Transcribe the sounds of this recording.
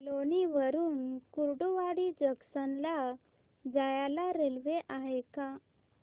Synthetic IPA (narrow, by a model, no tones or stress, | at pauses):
loniʋəɾuːnkuɾɽuʋaɽid͡ʑəksənla | d͡zajalaɾelʋeʔaɦeka